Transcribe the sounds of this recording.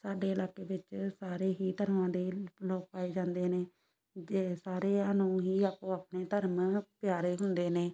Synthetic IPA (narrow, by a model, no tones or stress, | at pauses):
saːɖeːəlaːkeːʋɪt͡ʃsaːɾeːɦiːt̪əɾmãːd̪eːloːk̚paːeːd͡ʒãːnd̪eːneː | d͡ʒeːsaːɾeːaːnũːɦiːaːpõːaːpneːt̪əɾmpjaːɾeːɦʊnd̪eːneː